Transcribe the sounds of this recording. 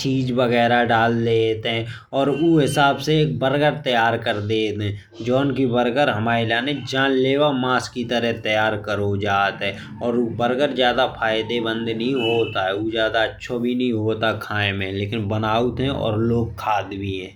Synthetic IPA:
t͡ʃiːd͡ʒbəɣɛːɾaɖaːld̪et̪ɦɛ̃ | ɔːɾuːɦɪsaːbseːk̚bəɾɡəɾt̪əjaːɾkəɾd̪eːt̪ɦɛ̃ː | d͡ʒɔːnkibəɾɡəɾɦəmaːelaːned͡ʒãːnleːwamaːskit̪əɾɛɦt̪əjaːɾkəɾod͡ʒaːt̪ɦɛ | ɔːɾubəɾɡəɾzjaːd̪apʰaːɪd̪ebə̃nd̪nɦĩɦoːt̪aɦɛuzjaːd̪aətːʃʰobʱinəɦĩɦoːt̪akʰaːẽmẽleːkɪnbənaːut̪ɦɛ̃ʔɔ̰ːɾloːɡ̚kʰːaːd̪bʱiɦɛ̃ː

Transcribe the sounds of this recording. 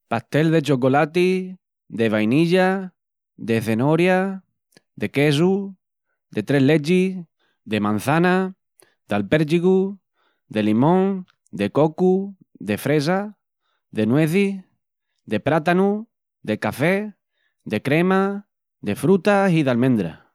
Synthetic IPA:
paht̪e̞lðe̞t͡ʃo̞kolat̪i | ðe̞βajniʎa | ðe̞θe̞noɾja | ðe̞ke̞s̬u | d̪e̞t̪ɾe̞ɦlet͡ʃi | ðemãn̟θana | d̪alpeɾd͡ʒiɣu | d̪e̞limõŋ | d̪eko̞ku | ðe̞fɾe̞s̬a | ðe̞nweθi | d̪e̞pɾat̪anu | d̪e̞kafe | d̪e̞kɾe̞ma | ðe̞fɾut̪asiðalmẽnd̪ɾa̰

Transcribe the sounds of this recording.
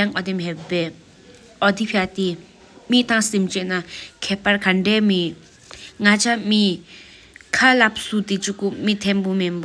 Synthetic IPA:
aŋʔɔd̪emɦepːɛː | ʔɔd̪ipʰat̪i | miʔt̪aŋsimt͡ɕeʔnakʰɛːʔpaɹkʰaɳɖ͡ʐɛːmeʔ | ŋat͡ɕʰami | kʰalap̚sut̪it͡ɕukomit̪ʰenpomemba

